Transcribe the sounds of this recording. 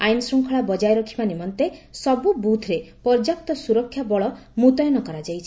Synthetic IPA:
ajnsɾuŋkʰɔɭabɔd͡ʒajɾɔkʰibanimɔnt̪esɔbubut̪ʰɾepɔɾd͡ʒak̚t̪ɔsuɾɔkʰːjabɔɭɔ | mut̪ɔjɔnɔkɔɾad͡ʒajt͡ʃʰi

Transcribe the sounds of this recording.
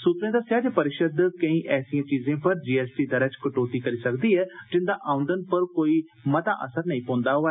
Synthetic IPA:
suːt̪ɾẽd̪aːsjaːɾepɐɾɪʃəd̪kɐ̃ĩːʔɛːsĩːãːt͡ʃiːzẽːpɐɾd͡ʒiːɛːsʈid̪ɐɾət͡ʃkɐʈoːt̪ikɐɾisɐkd̪iːɦɛːd͡ʒɪ̃nd̪aʔãːʊ̃nd̪ənpɐɾkoːi | mɐt̪a̰ʔə̰səɾnɐ̃ĩpõːnd̪aɦoa

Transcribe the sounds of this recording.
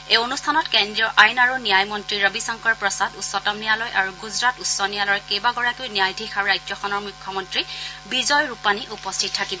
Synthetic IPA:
eonustʰanɔtkendɹiɔʔajnaɹunijajmɔntɹiɹɔbisɔŋkɔɹpɹɔsadusːɔtɔmnijalɔjʔaɹuɡuzɹatusɔnijalɔjkejbaɡɔɹakojnijajdʱixaɹɹajd͡ʒɔxɔnɔɹmukʰːjɔmɔntɹibizɔjɹupaniʔupɔstʰitʰːakibɔ

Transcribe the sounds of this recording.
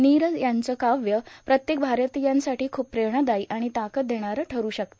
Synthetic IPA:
niɾəjant͡səkaʋjəpɾət̪jek̚bʱaɾət̪ijansaʈiːkʰuːppːɾeɾɳəd̪aiʔaɽ̃it̪akət̪̚d̪ʱeɽ̃aɾəʈʰəɾuːɕək̚t̪o

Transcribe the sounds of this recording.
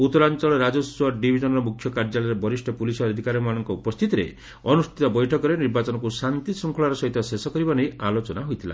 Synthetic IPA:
ut̪ːɔɾant͡ʃɔɭɔɾad͡ʒɔswɔɖibʱid͡ʒɔnɔɾɔmukʰjɔkaɾd͡ʒalɔɾebɔɾisʈʰɔpulisɔɔd̪ʱikaɾɔmanɔŋkɔupɔst̪ʰit̪iɾḛ | ɔnust̪ʰit̪ɔbɔjʈʰɔkɔɾeniɾbat͡ʃɔnɔkusant̪isɔŋkʰɔɭaɾɔsɔɦit̪ɔsesɔkɔɾibanejalot͡ʃɔnaɦojt̪ʰila̰

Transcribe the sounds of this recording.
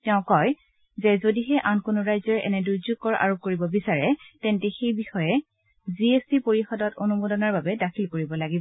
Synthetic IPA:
tɛʊ̃kɔj | zɛzodiɦɛʔankonoɹajzɔɹɛʔɛ̰nɛduzukːɔɹʔa̰ɹop̚koɹibɔbisaɹɛtɛntɛxejbixɔjɛ | ziespipoɹixɔdɔtonumodɔnaɹbabɛdakʰilkoɹibɔlaɡibɔ

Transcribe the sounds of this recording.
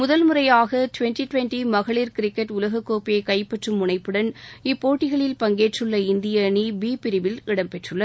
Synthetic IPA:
mʊðɐlmʊrɐjaːɣɐʈʊʋɛnʈiʈʊʋɛnʈimɐɣɐɭiɾkɪɾɪkːɐʈʊlɐɣɐkːoːpijɐɪkɐɪpːɐʈrɯmːʊɳɐɪpːɯɽɐnɪpːoːʈːɪɣɐɭɪlpɐŋɡeːʈrɯɭːɐɪnd̪ɪjɐnibiːpɪɾɪʋɪlɪɽɐmpɛʈrɯɭːɐ

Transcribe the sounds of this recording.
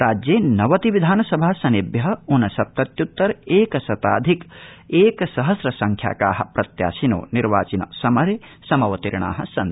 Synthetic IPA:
ɾaːd͡ʒjeːnɐʋɐt̪iʋid̪ʱaːnɐsɐbʱaːsɐnibjɐɦɐunɐsɐp̚t̪ɐt̪jut̪ːɐɾeːkɐsɐt̪aːd̪ʱikeːkɐsɐɦɐsɾɐsɐŋkʰja̰ːka̰ːɦɐ̰̆pɾɐt̪ja̰ːsino̰ːniɾʋa̰ːt͡ʃinɐ̰sɐmɐɾesɐmɐʋɐt̪iɾɳ̃a̰ːɦɐ̰̆sɐn

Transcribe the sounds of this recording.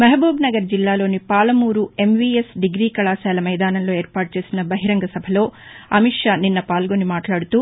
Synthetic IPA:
mɐɦbuːbnɐɡɐɾd͡ʒilːaːloːnipaːlɐmuːɾue̞mʋiesɖiɡɾiːkɐɭaːsaːlɐmɐjd̪aːnɐlːue̞ːɾpaːʈ̚t͡ʃe̞ːsinɐbɐɦiɾɐŋɡɐsɐbʱɐloːɐmiʂjaninːɐpaːlɡonimaːʈlaːɽut̪u

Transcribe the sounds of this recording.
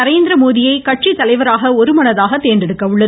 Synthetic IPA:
ɐɾeːnd̪ɪɾɐmoːðɪjɐɪkɐʈt͡ʃit̪ːɐlɐɪʋɐɾaːɣɐɔɾɯmɐnɐðaːɣɐt̪eːndɛɽɯkːɐʊɭːɐð

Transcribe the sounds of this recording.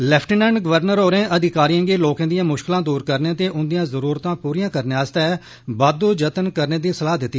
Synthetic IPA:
lɛːpʰʈənɛ̃ːɳɖɡəʋəɾnəɾoːɾẽːʔəd̪ɪkaːɾiãːɡeːloːkãːd̪ijãːmʊʃkɪlãːd̪uːɾkəɾnẽːt̪eːʔʊnd̪ijãːzəɾuːɾt̪ãːpuːɾijãːkəɾneːaːst̪ɛː | baːd̪oːd͡ʒət̪ənkəɾneːd̪iːsəlaːɦd̪ɪt̪ːiː

